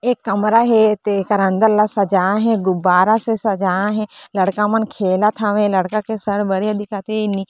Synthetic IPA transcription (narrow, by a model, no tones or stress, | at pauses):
eːkːɐmɾaɦet̪ekɐɾə̃nd̪əllasɐd͡ʒãːɦẽɡʊbaːɾasesɐd͡ʒãːɦẽlɐɽkãmɐnkʰeːlat̪ʰaːʋẽlɐɽkãkʰesɐɽbɐɽiad̪ɪkat̪eɪni